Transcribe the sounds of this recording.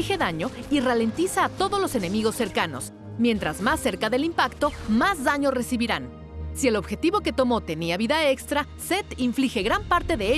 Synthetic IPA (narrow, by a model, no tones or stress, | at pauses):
ixe̞ðaɲo̞irale̞nt̪isaːt̪o̞ðo̞zlo̞se̞ne̞miɣo̞sːe̞ɾkano̞̰s | mje̞nt̪ɾazmasːe̞ɾkaðe̞limpakt̪o̞mazðaɲore̞siβiɾan | sie̞lo̞βxe̞t̪iβo̞ke̞t̪o̞mo̞t̪e̞niaβiðae̞kst̪ɾa | se̞t̪iɱflixe̞ɣɾampaɾt̪e̞ðee